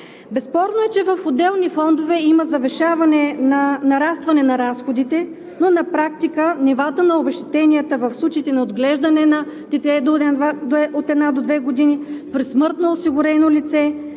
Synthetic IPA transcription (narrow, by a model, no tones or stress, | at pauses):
bɛspɔɾnoɛt͡ʃɛvɐfod̪ɛlˠnifɔnd̪ovɛiməzɐvɛʃavɐnɛnɐnɐɾast̪vɐnɛnɐɾasxod̪it̪ɛ | nonɐpɾakt̪ikənɛvat̪ənɐobɛʃt̪ɛ̥t̪ɛniət̪əvəfslˠut͡ʃiiːt̪ɛnɐod̪ɡlɛʒd̪ɐnɛnɐd̪ɛt̪ɛd̪ | ot̪ɛd̪nad̪od̪vɛɡod̪inipɾismɤɾt̪noːsiɡʊɾɛnolit̪sɛ